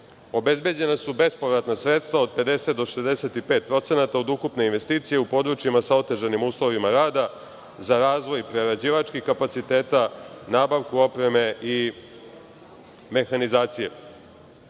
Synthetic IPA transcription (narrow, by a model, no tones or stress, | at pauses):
o̞be̞zbe̞d͡ʑe̞nasube̞spo̞ʋɾat̪nasɾet̪st̪vao̞d̪̚pe̞d̪e̞se̞t̪d̪o̞ʃe̞zd̪ese̞t̪ipe̞ːt̪̚pɾo̞t̪se̞nat̪ao̞d̪ukupne̞inʋe̞st̪iːt̪sije̞upo̞d̪ɾut͡ʃjimasao̞t̪e̞ʒanimuːslˠo̞ʋimaɾaːd̪a | zaɾaːzʋo̞jpɾeɾad͡ʑiːʋat͡ʃkixkapat̪sit̪e̞ːt̪anaːbaʋkuo̞pɾe̞me̞i | me̞xanizaːt̪sije